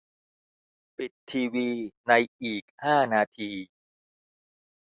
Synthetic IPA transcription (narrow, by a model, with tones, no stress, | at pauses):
pi˨˩t̪ʰːiː˧wiː˧na˧jʔiː˨˩k̚haː˥˩naː˧t̪ʰiː˧